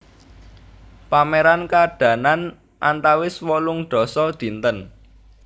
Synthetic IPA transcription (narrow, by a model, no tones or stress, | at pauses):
pamɛɾankaɖ̥ä̤nan | ʔant̪awɪswɔlʊŋɖ̪̥ɔ̤sɔd̪̥i̤nt̪ən